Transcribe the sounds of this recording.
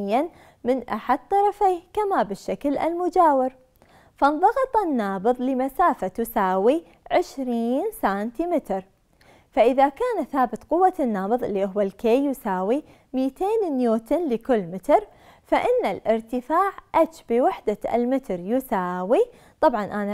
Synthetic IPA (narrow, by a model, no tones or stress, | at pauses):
ɪjːan | mɪnʔaħad̪̚t̪ːɑɾˤɑfiːhkamabɪʃːaklʔa̰lmʊd͡ʒaːwɪɾ | fanðˤɑɣɑt̪ˤɑnːɑːbɨðˤlɪmasaːfat̪ʊsaːwi | ʕɪʃɾiːnsaːnt̪imɪt̪ɾ | faʔɪðakaːnaθaːbɪt̪ˤqʊwːanːɑːbɨðˤʔɪlːiʔɪɦʊwalkeːjʊsaːwi | mɪjt̪eːnɪnjoːt̪ɪnlɪkʊlːmɪt̪ɾ | faʔɪnːalʔɪɾt̪ɪfaːʕʔat͡ʃbiwaħd̪aʔa̰lmɪt̪ɾjʊsaːwi | t̪ˤɑbʕɑnʔana